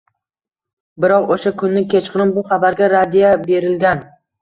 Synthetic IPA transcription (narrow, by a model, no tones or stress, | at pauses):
bɪɾɒqoʃakʰʊnːɪkʲʰet͡ʃqɨnɪmbʊχabaɾɡʲaɾad̪ijabe̞ɾɪlɡʲan